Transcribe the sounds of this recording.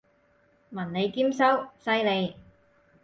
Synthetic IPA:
mɐ˨˩nne˨˧jkiː˥msɐ˥wsɐ˥jle˨˧j

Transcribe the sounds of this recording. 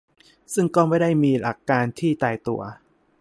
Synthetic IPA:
sɯ˥˩ŋkɔː˥˩ma˥˩jda˥˩jmiː˧la̰˨˩kːaː˧nt̪ʰiː˥˩t̪aː˧jt̪ṵ˧ɐ

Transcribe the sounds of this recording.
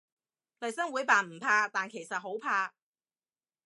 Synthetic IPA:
lɐ˨jsɐ˥ŋwuː˨˥jpaː˨˩nm̩˨˩pʰaː˧t̪aː˨˩nkʰe˨˩jsɐ˨t̚ɦo˨˥wpʰaː˧

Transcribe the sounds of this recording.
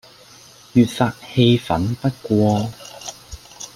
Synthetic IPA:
jyː˨t̚faː˨˧t̚he˧jfɐ̰˨˥npɐ˥t̚kʷɔː˧

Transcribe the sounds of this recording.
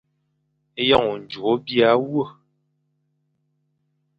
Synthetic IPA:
e˦jɔ˦ŋu˨n̩˨d͡ʒu˨o˦bi˦a˦wwə˦˨

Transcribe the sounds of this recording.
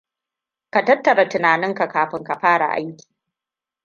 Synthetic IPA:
ka˨tɐ˦tːɐ˨ɾa˨tɪ˨naː˨nɪ˦ŋka˨kaː˨ɸɪ˦ŋka˨ɸaː˦ɽa̰˨ʔa̰˦jkʲi̥ː˨

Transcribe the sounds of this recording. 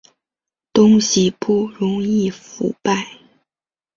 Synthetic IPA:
t̪ʊ˥ŋɕi˨pu˥˩ɻʊ˧˥ŋi˥˩fṵ˧˥pa˥˩ɪ

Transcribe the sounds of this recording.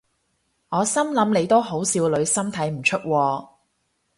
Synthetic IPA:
ŋɔː˨˧sɐ˥mlɐ˨˥mle˨˧jt̪o˥who˨˥wsiː˧wlɵ˨˧ɥsɐ˥mt̪ʰɐ˨˥jm̩˨˩t͡ʃʰɵ˥t̚wɔː˧

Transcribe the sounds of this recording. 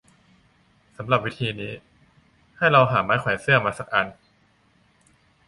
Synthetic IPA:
sa˩˦mɾa˨˩p̚wi˦˥t̪ʰiː˧niː˦˥ | ha˥˩jɾa˧wɦaː˩˦maː˦˥jkʰwɛː˩˦sɯ˥˩ɐmaː˧sa˨˩k̚ʔa˧n

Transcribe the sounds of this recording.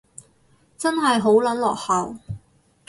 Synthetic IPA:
t͡sɐ˥nɦɐ˨jɦo˨˥wlɐ˨˥nlɔː˨k̚hɐ˨w

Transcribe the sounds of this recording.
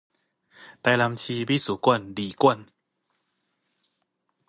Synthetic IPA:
t̪ɛ˧la˧mt͡ɕʰiː˧biː˦˥˩su˨˦ku˧˥˩əndiː˨˩ku˥˩ən

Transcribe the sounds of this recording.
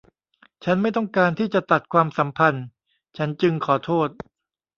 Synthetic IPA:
t͡ɕʰa˦˥nma˥˩jt̪ɔ˥˩ŋkaː˧nt̪ʰiː˥˩t͡ɕa˨˩t̪a˨˩t̪̚kʰwaː˧msa˩˦mpʰa˧n | t͡ɕʰa˦˥nt͡ɕɯ˧ŋkʰɔː˩˦t̪ʰoː˥˩t̪̚

